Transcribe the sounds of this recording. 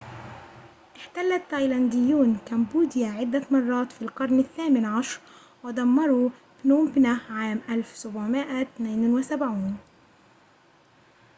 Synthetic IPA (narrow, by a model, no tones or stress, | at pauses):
ʔɪħt̪alːat̪ːɑjland̪ɪjːuːnkambuːd̪ɪjaʕɪd̪ːamɑrˤːɑːt̪fiːlqɑɾˤnɪθːaːmɪnʕaʃɾ | wɪd̪ˤɑmːɑɾˤu | b̥nuːmbnaʕaːmʔalfsʊbʕmɪʔat̪neːnwɪsabʕuːn